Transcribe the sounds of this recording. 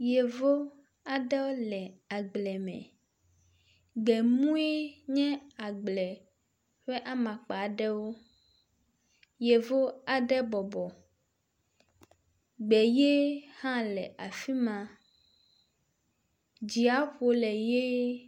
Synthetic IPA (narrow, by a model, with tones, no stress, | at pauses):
je˨vo˦ | a˨ɖɛ˦wo˦lɛ˨a˨ɡ͡blɛ˨mɛ̰̃˨ | ɡ͡bɛ˨mũ˦e˦ɲɛ̃˦a˨ɡ͡blɛ˨ | ɸe˦ʔa˦mã˨k͡pa˨ɖɛ˦wo˦ | je˨vo˦a˨ɖɛ˦bɔ˨bɔ˨ | ɡ͡bɛ˨je˦hã˦lɛ̰˨ʔa˨fi˦mã˨ | d͡ʑi˨a˦ɸo˨lɛ˨je˦